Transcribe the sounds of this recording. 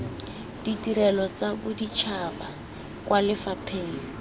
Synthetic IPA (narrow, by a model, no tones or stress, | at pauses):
d̥itiɾɛlɔt͡sabʊdit͡ʃʰaba | kwalɪfapʰeːli